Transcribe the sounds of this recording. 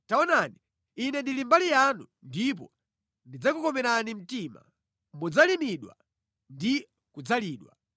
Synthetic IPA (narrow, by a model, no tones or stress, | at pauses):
taɔnaniː | nɛndilimbalijanu | ndip̬ɔ̰ | ndid͡zakukɔmɛɾanim̩tima̰ | mud͡zalimiɗwa̰ | ndi | kud͡zaliːɗwa̰